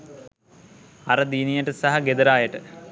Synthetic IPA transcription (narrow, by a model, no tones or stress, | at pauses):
ɐɾəd̪iːnijəʈəsaɦɐɡed̪ɐɾaːjəʈə